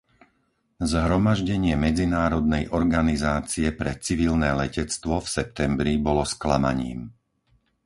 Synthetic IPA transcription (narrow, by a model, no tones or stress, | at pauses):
zɦɾɔmaʒɟɛɲɪɛmɛd͡zinaːɾɔd̪̚nɛjʔɔɾɡanizaːt͡siɛpɾɛt͡siʋilnɛːlɛcɛt͡st̪ʋɔfsɛp̚t̪ɛmbɾibɔlɔsklama̰ɲḭːm